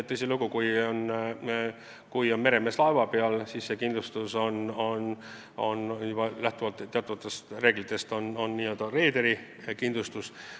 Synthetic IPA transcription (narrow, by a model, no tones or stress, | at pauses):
t̪ːɤjsiluɡ̥ukujon | kujo̞nme̞ɾe̞meslɑevɑpeɑlsisːe̞kind̪lust̪uso̞no̞n | o̞̰njub̥ɑlæht̪uvɑlt̪ːˑt̪ːeɑt̪ːˑuvɑt̪ːˑe̞st̪re̞ːɡlit̪ːˑe̞st̪o̞nonːiːø̞ld̪̥ɑre̞ːd̪eɾi | kind̪lust̪us